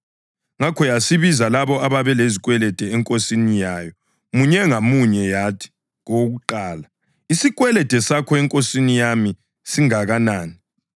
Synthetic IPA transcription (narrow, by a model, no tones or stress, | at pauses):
ŋakʰɔjasiβizalaβɔaβaβɛleziɣwɛlɛd̥ʱɛɛŋkʼosinijaːjɔ | muɲɛŋamuɲɛjatʰi̥ | ɣoɣuǃaːla | isiɣwɛlɛd̥ʱɛsakʰɔɛŋkʼosinijami | siŋaɣanaːni